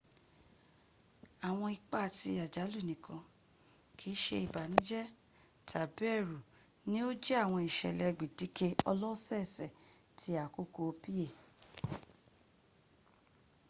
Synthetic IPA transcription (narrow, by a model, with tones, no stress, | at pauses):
a˨w̃ɔ̃˧i˧k͡pa˦˨ti˧a˨d͡ʒa˨˦lu˦˨nĩ˨kʰã˧ | kʰi˨˦ʃe˧i˨ba˨nũ˦d͡ʒɛ˦ | tʰa˨bɛ˦˨ɾu˨ | nĩ˦o˦d͡ʒɛ˦a˦˨w̃ɔ̃˧i˨ʃɛ̰˨lɛ˧˨ɡ͡bi˨di˨˦ke˦ɔ˧lɔ˦sɛ˦˨sɛ˨ | tʰi˧a˨ko˦ko˧o˧pi˦e˦˨